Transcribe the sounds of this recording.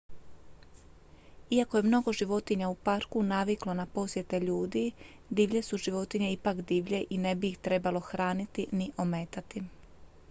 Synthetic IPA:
iako̞je̞mno̞ɡo̞ʒiʋo̞t̪iɲaupaɾkunaʋiklo̞napo̞sje̞t̪e̞ʎuːd̪i | d̪iːʋʎe̞suʒiʋo̞t̪iɲeipakd̪iːʋʎe̞ʔine̞biːxt̪ɾe̞balo̞xɾaːnit̪iniʔo̞me̞t̪at̪i

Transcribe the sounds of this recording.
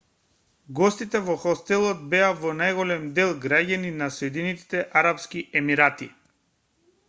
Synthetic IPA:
ɡɔst̪it̪ɛvɔxɔst̪ɛlˠɔd̪̚bɛavɔnajɣɔlɛmd̪ɛlˠɡɾaɟaninasɔɛd̪init̪i̥t̪ɛʔaɾapskiʔɛmiɾat̪i

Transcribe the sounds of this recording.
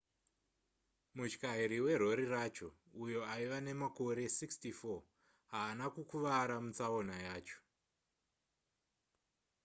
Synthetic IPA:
mut͡ʃkaiɾiwe̞r̤o̞ɾirat͡ʃo̞ | ujo̞aiʋane̞mako̞ɾe̞sikstifo | ɦaːnakukuʋaɾamut͡sao̞najaːt͡ʃo̥

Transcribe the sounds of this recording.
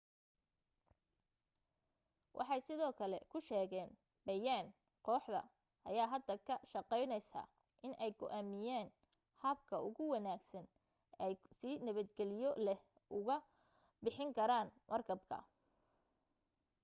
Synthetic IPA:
wʔɑ̰ħɑjsɪðɔːkʰɐlɛ̰kʰʊʃɛːɣɛːn | bɐjaːn | qɔːħd̪ɐ̰ | ʔɐ̰jaːɦɐd̪ɐkʰɐʃɐqɛjnɛjsa̰ː | ʔɪnʔɛjɡɔ̰ʔæːmɪjaːn | hɐb̚kʰɐʊɣʊwɑnaːɡsɐn | ɛjsinɐβɐd̪ɡɛlɪjɔlɛh | ʔʊɣɐ | bɪħɪŋkʰɐɾaːnmʔɐrkʰɐbkʰɐ̰

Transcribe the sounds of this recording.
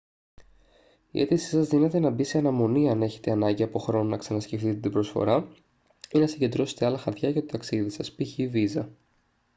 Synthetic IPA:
ḭʔe̞t̪isi̥sɐzðinet̪e̞nɐbiseɐnɐmo̞niɐne̞çe̞̥t̪e̞ɐnɐɲɟiɐpo̞xɾo̞nonɐksɐnɐsce̞ft̪it̪e̞t̪ibɾo̞sfo̞̰ɾɐ | inɐsiɲɟe̞nd̪ɾo̞se̞̥t̪eɐlɐxɐɾt̪çɐjɐt̪ot̪ɐksiðisɐspiçivizɐ

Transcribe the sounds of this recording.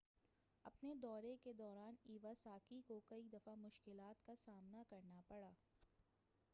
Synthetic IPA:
ɐpned̪ɔːɾeked̪ɔːɾaːniːʋasaːkikokɐid̪ɐfamʊʃkɪlaːt̪kasaːmnakɐɾnapɐɽaː

